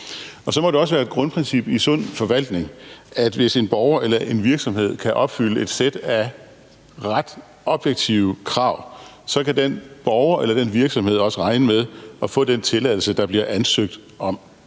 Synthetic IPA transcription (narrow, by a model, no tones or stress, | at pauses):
ɒ̽sɒ̽mɒ̽d̥e̝ɒ̽səʋæːɐe̝d̥ɡ̥ʁɔ̽npʰʁensib̥isɔ̽n̰fɒ̽ʋæl̰d̥ne̝ŋæd̥ʋe̝se̝nb̥ɒʊɐʔelɐʔe̝nʋiɐɡ̥sɒ̽mhe̝ð̞̰ˠkʰæʔɒ̽b̥fyləe̝d̥sed̥æ | ʁad̥ | ɒ̽b̥jeɡ̥̚t͡sʰiʊkʰʁɑ̈ʊ̰ | sɒ̽kʰæd̥enb̥ɒʊɐʔelɐd̥enʋiɐɡ̥sɒ̽mhe̝ð̰ˠɒ̽səʁɑ̈ɪnəmeðˠɒ̽fɔ̰̽ːd̥ent͡sʰe̝læð̰ˠl̩səd̥ɑ̈b̥liɐʔænsøɡ̥̚d̥ | ɒ̽m